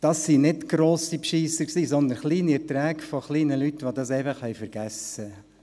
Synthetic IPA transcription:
d̥ɑsːinɪtɡ̥ɾoːsipʃiːsəksiːsɔnd̪ənχliːniɛɾtɾæːɡfɔχliːnəlytːʋodɑsɛɪfɑχhɛɪjfəɾɡ̥æsə

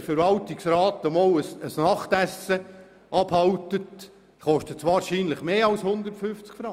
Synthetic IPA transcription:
fəɾʋɑltɪksrɑːtəmoləsəsnɑχt̪æsə | ʔɑbhɑltət | χɔʃtətt͡sʋɑːɾʃiːnləχmeːɑlshʊnd̪ərtfʏft͡skfɾɑ

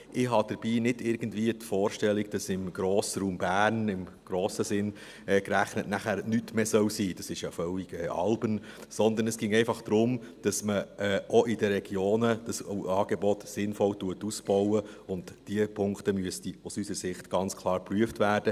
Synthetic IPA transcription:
ʔɪɦɑd̥əɾb̥iːnɪdɪɾɡ̥əndviːətfɔːɾʃtɛlːiɡd̥ɑsɪmɡ̥ɾoːsəɾuːmbæːɾnɪmɡ̥ɾoːsəsɪn | ɛːkɾæχnətnæχæːɾnytmeːsœwsiːd̥ɑsɪʃjɑfœliɡ̥ɛːʔɑ̰lbənsɔnd̪ənɛsɡ̥ɪŋɛɪfɑχd̥ɾʊmd̥ɑsməɛːʔɔʔɪdəɾɛɡjoːnəd̥ɑsɑːɡ̥ebɔtsɪnfɔwtuətusb̥ɔwə | ʊndd̥iəpʰʊŋktəmyəstiusysəɾsɪχtɡ̥ɑnt͡skʰlˠɑːɾpryəftvæːɾd̥ə

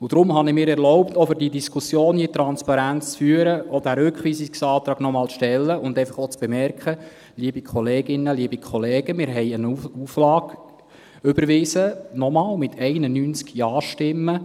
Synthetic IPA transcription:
ʊd̥̪ɾʊmɦɑnɪmɪːɾɛɾlɔʊptɔfʏɾdidiskʰusjoːnjiːtɾɑnspɑɾænt͡st͡sfyːəɾəɔd̥æɾʏkχʋiːsiksɑːt̪ɾɑːɡ̥nɔmɑːlʃtɛlːəʊnd̪ɛɪfɑχot͡sb̥emɛɾkχə | liːəbikʰɔleːɡɪnːəliːbikʰχɔleːɡ̥əmɪːɾɦɛɪənuuːflɑːɡ̥ | ʏbəɾʋɪːsənɔmɑːlmɪt̪ʰɛɪnənyːnt͡skjɑːʃtɪmːə

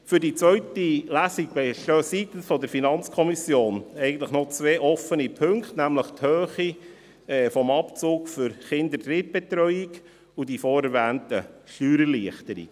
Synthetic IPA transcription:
fʏɾdit͡sʋœʏtilæsik̚bɛʃøsit̪ənfɔdəɾfinɑnt͡skʰɔmisjoːnɛɪɡən̩tləχnɔt͡sʋeːʔɔfənipʰɵŋktnæmləχt̪høːχi | ɛfɔmɑpt͡suːkfʏɾχɪnd̪ətɾɪt̚b̥ɛt̪ɾœʏiɡ | udifoːɾɛɾʋæːntəʃtyːɾəɾliəχtəɾḭ

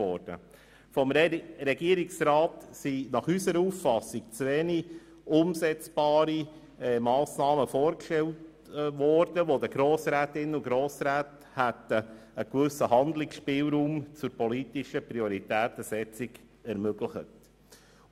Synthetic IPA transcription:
ɔːɾd̥ə̰ | fɔmɾɛɡiəɾiksɾɑːtsinɑχysəɾəufːɑsik̚t͡sʋeːni | ʊmsɛt͡sb̥ɑːɾi | ɛmɑːsnɑːməfoːɾkʃtɛlt | ʋɔːɾd̥əʋod̪əɡ̥ɾoːsɾæːt̪ɪnʊɡɾoːsɾæːt | hæt̪ə | əkʋʏsəhɑnd̪lɪksʃpɪːlɾuːmt͡sʊɾpɔlitɪʃəpɾiɔɾitæːt̪əsɛt͡siɡ | ɛɾmøɡləχət

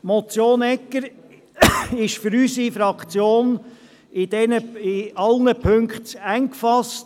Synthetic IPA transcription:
mɔt͡sjoːnɛkːəɾ | ɪʃfʏɾysifɾɑkχt͡sjoːn | ɪd̥ɛnəɪɑlnəpʰɵŋkχtæŋkfɑst

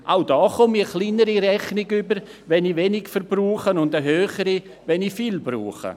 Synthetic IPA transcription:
ʔaʊdɔːχɔmiəχliːnəɾiɾɛχnɪɡʏbəɾ | vɛniʋɛnɪɡfəɾbruːχənʊndəɦøːχəɾi | vɛnifiːlbrṵːχə̰

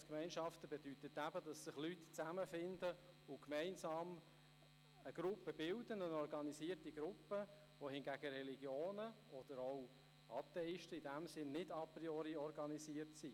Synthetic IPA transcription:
skmɛɪnʃɑftəbedytətːæb̥ədɑsɪχlytt͡sæməfɪndə | ʊkmɛɪnsɑːm | əɡ̥ɾʊpːəbɪldənənɔɾɡɑniziːərtiɡ̥ɾʊpːə | ʋohɪnɡæɡ̥əɾɛliɡjoːnə | ɔd̥əɾoʊ | ʔɑt̪ɛɪʃtəidæmsɪnːɪdɑpɾiɔɾiɔɾɡɑnisiːərtsi

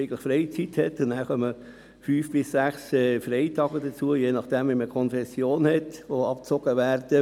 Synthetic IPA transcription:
ɪkləχfɾɛɪt͡sithɛtːʊnnæːɾχœmə | fyːfb̥ɪsːæχsɛːfɾɛɪtɑːɡədət͡suəjeːnɑχd̥ɛmʋiməkʰɔnfɛsːjoːnhɛtʋoɑp̚t͡soɡəʋæːɾd̥ə

